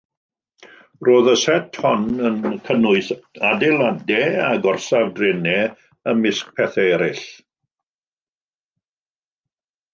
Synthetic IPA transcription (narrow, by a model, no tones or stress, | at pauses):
roːðəsɛtʰhɔnənkʰənʊɨθadɛlˠadɛaɡɔrsavdrɪnɛ | əmɪsk̚pʰɛθɛɛɾɪɬ